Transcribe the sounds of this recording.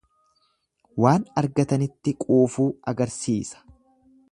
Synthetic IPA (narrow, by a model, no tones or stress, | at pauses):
waːnɐɾɡɐt̪ɐnɪt̪ːɪkʼuːfuːʔɐɡɐɾsiːsɐ̥